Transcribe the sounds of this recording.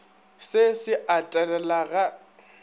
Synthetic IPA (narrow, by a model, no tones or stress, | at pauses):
sɪsɪʔatʼɛlɛlaɣa